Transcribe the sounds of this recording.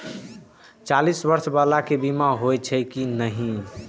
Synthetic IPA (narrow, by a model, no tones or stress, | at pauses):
t͡ʃalisbəɾsbalakebimaɦojt͡ʃʰəjkinəɦĩ